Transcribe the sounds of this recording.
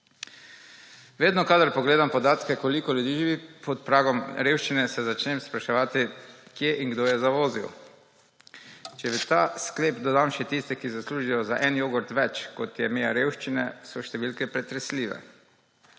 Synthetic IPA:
ʋeːd̪nɔkad̪aɾpɔɡleːd̪ampɔd̪aːt̪kɛkɔlikɔljud̪iːʒiʋipɔt̪pɾaːɡɔmɾewʃt͡ʃinɛsɛzat͡ʃnɛmspɾaʃɛʋaːt̪ikjeʔiŋɡd̪oːjɛzaʋoːzḭw | t͡ʃɛbit̪aːskleːpd̪ɔd̪amʃɛt̪ist̪ɛkizasluːʒijɔzaʔɛnjoːɡɔɾt̪ʋɛt͡ʃkɔt̪jɛmeaɾeːwʃt͡ʃinɛsɔʃt̪ɛʋilkɛpɾɛt̪ɾɛsliːʋɛ̰

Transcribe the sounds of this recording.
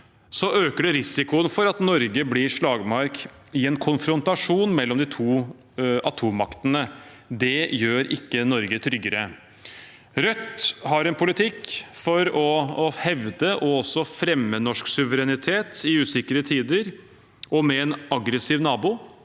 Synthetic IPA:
sɔʔøːkəɖɛɾɪsɪkʊənfɔɾɑt̪nɔɾɡəblɪʂɭɑːɡmɑɾk | ɪɛnkʰʊnfɾɔnt̪ɑʂuːnmɛlːɔmd̪ɪt̪ʰuː | ʔɑt̪ʰuːmɑkt̪ənə | d̪ɛjøːɾɪkːənɔɾɡət̪ʰɾʏɡəɾə | ɾœt̪ːhɑɾɛnpʰʊlɪt̪ʰɪkːfɔɾɔhɛʋd̪əʔɔɔsːɔfɾɛmːənɔʂksʉʋəɾɛnɪt̪ʰeːt̪ɪʉːsɪkəɾət̪ʰiːd̪əɾ | ɔmɛːnɑɡɾəsiːʋnɑːbuː

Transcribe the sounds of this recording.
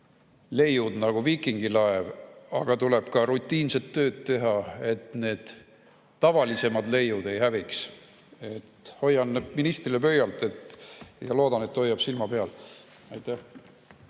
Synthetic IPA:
le̞jud̪nɑɡ̥uviːkˑiŋɡ̥ilɑevɑ̰ɡ̥ɑt̪ule̞b̥kɑɾut̪ʲˑːiːnset̪ːø̞ːd̪̥t̪ːe̞ɦɑe̞t̪ne̞ːd̪̥ː | ɑvɑlise̞mɑd̪̥le̞jːud̪̥e̞jɦæviks | et̪ho̞jːɑnːminist̪rilepø̞jɑlt̪ˑe̞t̪ːjɑlo̞ːd̪̥ɑne̞t̪ːho̞jːɑb̥silmɑpe̞ɑl | ɑjt̪æh

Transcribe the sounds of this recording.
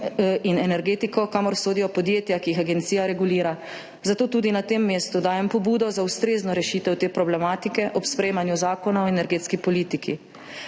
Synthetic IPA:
inɛnɛɾɡeːt̪ikɔkamɔɾsoːd̪ijɔpɔd̪jeːt̪jakiixaɡɛnt̪sijaɾɛɡuliːɾa | zat̪oːt̪uːd̪inat̪eːmːeːst̪ud̪aːjɛmpɔbuːd̪ɔzaust̪ɾeːznɔɾɛʃiːt̪ɛwt̪eːpɾɔblɛmaːt̪ikɛʔɔpspɾɛjeːmanjuzaːkɔnaɔɛnɛɾɡeːt̪skipɔliːt̪ikʰi

